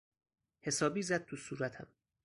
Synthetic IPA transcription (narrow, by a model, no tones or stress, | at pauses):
he̞sɒːbiːzæd̪̚t̪ʰusuːɾæt̪ʰæ̰m